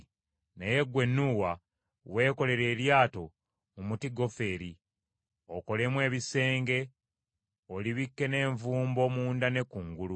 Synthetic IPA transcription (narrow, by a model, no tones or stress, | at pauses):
neje̞ɡwe̞nːuwa | we̞ːko̞le̞ɾe̞ːɾjaːto̞ | mumutiɡo̞fe̞ːɾi | oko̞le̞mwe̞ːβise̞ːŋɡe̞ | oliβikːe̞ne̞ːɱvuːmbo̞muːndane̞kuŋɡulu